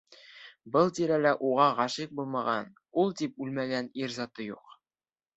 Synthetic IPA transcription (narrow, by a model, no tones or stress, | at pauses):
bɤlˠt̪iɾælæʔuʁɑʁɑʃiq̚bulˠmɑʁɑn | ulˠt̪ip̚ʉlmæɡæniɾzɑt̪ɤjuq